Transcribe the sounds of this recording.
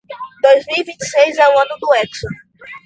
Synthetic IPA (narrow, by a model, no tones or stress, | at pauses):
d̪ojzmiwivĩt͡ʃi̥sejzawɐ̃nʊd̪ʊɛkso